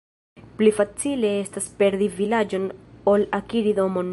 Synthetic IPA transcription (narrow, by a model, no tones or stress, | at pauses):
plifat͡sile̞e̞staspe̞ɾd̪ivilad͡ʒo̞no̞lakiɾido̞mo̞n